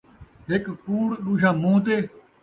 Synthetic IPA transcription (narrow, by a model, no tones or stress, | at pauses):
ɦɪkkuːɽɗuːɕaːmũːt̪̬eː